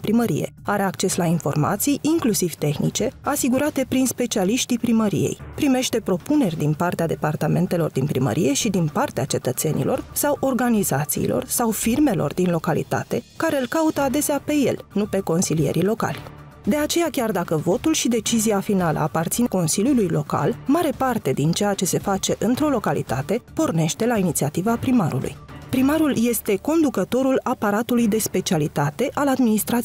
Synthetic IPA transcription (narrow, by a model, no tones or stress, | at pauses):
pɾiməɾḭjḛaɾe̞akt͡ʃe̞slainfo̞rma̰t̪sijʔiŋklusiv̥t̪e̞xnḭt͡ʃe̞asiɡuɾat̪e̞pɾinspe̞t͡ʃialiʃt̪ipɾiməɾḭje̞̰jpɾime̞ʃt̪e̞pɾo̞pune̞rʲd̪inpart̪ead̪e̞part̪ame̞nt̪e̞lo̞rd̪inpɾimə̰ɾʔije̞ʃid̪inpart̪eat͡ʃe̞t̪ət̪se̞nḭlʔo̞rsawʔo̞rɡanizat̪sḭːlʔo̞̰rsawfirme̞lo̞̰rd̪inlo̞kalḭt̪a̰t̪e̞kaɾe̞ɨlkaut̪əad̪e̞seape̞je̞̰lnupe̞ko̞nsilije̞̰ɾilo̞ka̰lʲ | d̪e̞at͡ʃe̞jakʲard̪akəvo̞t̪ulʃid̪e̞t͡ʃiziafinalə̰apart̪sinko̞nsilʲjulujlo̞ka̰lmaɾe̞part̪e̞d̪int͡ʃe̞jat͡ʃe̞se̞fat͡ʃe̞ʔɨnt̪ɾo̞lo̞kalḭt̪at̪e̞po̞rne̞ʃt̪e̞lainit̪siat̪ivapɾimaɾṵlʔṵjpɾimaɾulje̞st̪e̞ko̞nd̪ukət̪o̞ɾulapaɾat̪ulujd̪e̞spe̞t͡ʃialit̪at̪e̞ʔalad̪minist̪ɾat̪i